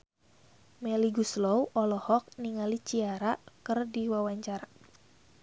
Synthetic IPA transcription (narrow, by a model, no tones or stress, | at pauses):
mɛliɡuslowʔɔlɔhɔk̚niŋalit͡ʃiaɾakɨrdiwawaɲt͡ʃaɾa